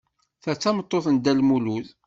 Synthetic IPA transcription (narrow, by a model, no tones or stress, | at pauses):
θæt͡sːɑmət̪ˤːoθənd̪ælmuluð